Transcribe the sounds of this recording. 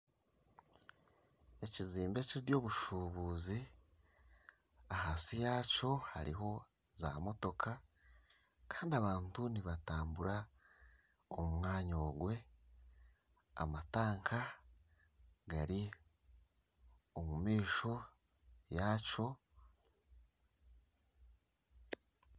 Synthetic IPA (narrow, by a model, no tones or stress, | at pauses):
e̞ciziːmbeciɾiɾjo̞ːβuʃuβuːzi | ahasijaːco̞ha̰ɾḭɦo̞ | za̰mo̞to̞kʰa | kʰḁːndiaβaːntuniβataːmbuɾa | omumŋaːɲo̞ːɡwe̞ | a̰mataːŋkʰa | ɡaɾi | omumiːʃo̞ | jaːt͡ʃo̞